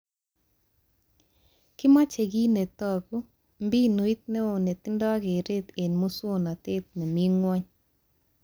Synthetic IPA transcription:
kɪ˦ma˦t͡ʃe˨ɡi˦ne˨t̪ɔ˨ɡu˦ | mbi˦no˨i˦t̪̚nɛ˦o˨ne˨t̪ɪ˦ndɔ˦ɡe˨ɾe˦t̪e˨nmu˦so˦na˨t̪e˦t̪̚ne˨mi˦ŋwɔ˦ɲ

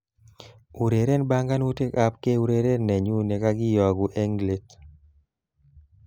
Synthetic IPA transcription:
u˨ɾe˨ɾe˦nba˦ŋɡa˦nu˦te˦ka˦pke˦u˦ɾe˨ɾe˦nɛ˨ɲu˦ne˨ka˦ɡɪ˦jɔ˨ɡu˨ʔe˦ŋɡle˨t

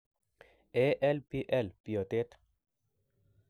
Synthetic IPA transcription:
ɛ˦ʔɛ˦lpiʔɛ˦lpi˨o˨t̪e˦t̪

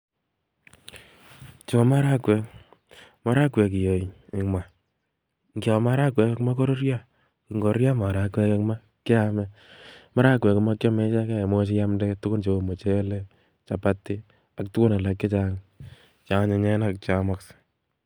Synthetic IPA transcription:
t͡ʃo˨ma˦ɾa˦kwɛ˨k | ma˦ɾa˦kwɛ˨k̬i˨jo˨i˨ɪ˨ŋma˨ | ŋɡjo˨ma˦ɾa˦kwɛ˨kkma˦ko˦ɾo˦ɾja˦ | ki˨ŋɡo˨ɾja˦ma˨ɾa˨kwɛ˦ke˦kma˦ | kɪ˦a˦mɛ˦ma˦ɾa˦kwɛ˨kma˦kjɔ˦me˦t͡ʃa˦ka˦˨mo˦t͡ʃ̬i˦ja˦mdɛ˦tʊ˦kʊ˦nt͡ʃo˨mo˨t͡ʃe˦le˦ | t͡ʃa˨pa˦tːi˦ | a˨ktu˦kʊ˦na˨la˨kːe˦t͡ʃa˦ŋ | t͡ʃa˨˦ɲe˨ɲɛ˦na˦k̚t͡ʃa˨ma˦ks

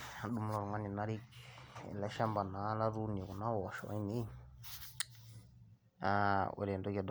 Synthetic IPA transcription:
a˨du˦m˦lɔ˨ɾŋa˦ni˨na˦ɾi˦kɛ̰˨lɛ˦ʃa˦mba˨na˨˦la˦ɾu˦n˨ɔ˨ku˨na˦wɔ˨ʃɔ̰˨˦i˦ni˦ | a˦o̰˨ɾi˨ɛ˨ndɔ˦ka˨d

